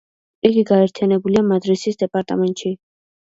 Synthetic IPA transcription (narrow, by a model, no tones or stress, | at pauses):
iɡiɡaɛɾt̪ʰijanɛbuliamad̪ɾisisd̪ɛpʼaɾt̪ʼamɛnt̪ʼʃi